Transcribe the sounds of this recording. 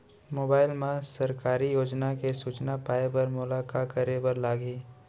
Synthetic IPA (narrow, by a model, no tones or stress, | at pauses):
moːbaːɪlmãsɐɾkaːɾijoːd͡ʒnakesuːt͡ʃnapaːebɐɾmʊlaːkakɐɾebɐɾlaːɡiː